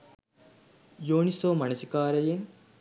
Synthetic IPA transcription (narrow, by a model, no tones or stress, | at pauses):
joːnisoːmɐnɐsikaːɾɐjen